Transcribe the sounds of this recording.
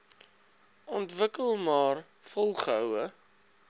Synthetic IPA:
ɔntvəkəlˠmɑːr | fɔlˠχəɦəwə

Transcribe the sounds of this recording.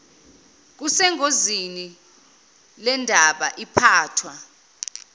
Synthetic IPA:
k̬usɛŋʱozini | lɛndʱaɓaʔipʰaːtʰwa

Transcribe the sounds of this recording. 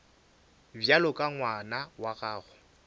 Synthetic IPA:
bjalʊkʼaŋwanawaɣaːɣʊ

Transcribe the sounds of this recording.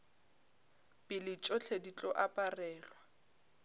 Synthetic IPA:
pʼɪlɪt͡ʃʼɔɬʰedit͡ɬʼɔʔapʼarɛːlwa

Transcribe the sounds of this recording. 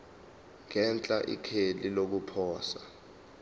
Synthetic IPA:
ŋɛnt͡ɬʼaʔḭkʰelilok̬upʰɔːsa

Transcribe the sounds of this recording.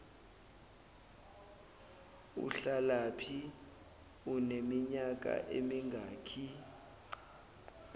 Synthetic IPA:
ṵɬalapʰi | unemiɲak̬ʼa̰ʔemiŋɡʱaːkʰi

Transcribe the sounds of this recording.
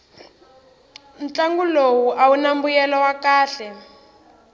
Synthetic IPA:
nt͡ɬaŋɡulowuʔaunambujɛlɔwakaːɬɛ

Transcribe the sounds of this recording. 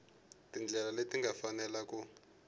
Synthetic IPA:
tind͡ɮʱɛlaletiŋɡafanɛlaku

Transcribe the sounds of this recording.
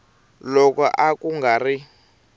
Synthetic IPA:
lɔkɔʔakuŋɡari

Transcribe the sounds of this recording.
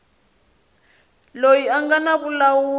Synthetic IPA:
lojiaŋɡanaβulawuː

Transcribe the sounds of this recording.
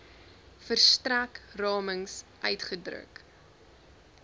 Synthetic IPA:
fərstrækrɑːməŋsʔœɥtχədrə̰k

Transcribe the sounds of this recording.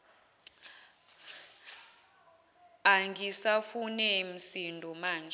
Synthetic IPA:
aŋɡisafunɛm̩sindʱɔmaːnd͡ʒʱ

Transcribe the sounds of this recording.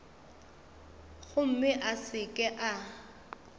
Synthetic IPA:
ɣʊm̩mɪʔasɪkʼɛʔa

